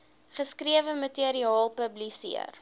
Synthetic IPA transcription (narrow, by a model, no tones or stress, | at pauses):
χəskɾiəvəmətiəɾiɑːlˠpəblisḭə̰r